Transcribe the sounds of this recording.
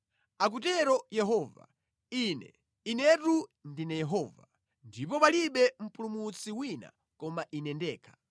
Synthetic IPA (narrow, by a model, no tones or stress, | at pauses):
ak̬ut̬ɛɾɔjɛɦɔva̰ | inɛ̰ | inɛtundinɛjɛɦɔːva | ndipɔpaliɓɛm̩pʰulumut͡sʰiwina̰ | kɔmaʔinɛndɛːkʰḁ